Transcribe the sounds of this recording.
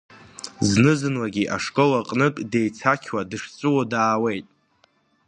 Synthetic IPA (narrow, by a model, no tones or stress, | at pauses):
znɨzɨnwaɡʲiʔaʂkʼolaqʼnɨkʼde̞jt͡sʰakʲʰwadɨʂt͡sʷʼɨwadaːwe̞jtʼ